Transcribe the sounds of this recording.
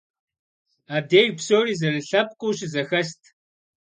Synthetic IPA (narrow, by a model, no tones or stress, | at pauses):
aːdeːɣpsoːriːzɐlɨɬɐp̚ʼqʷʼʊːʃzɐxɐɕtʰ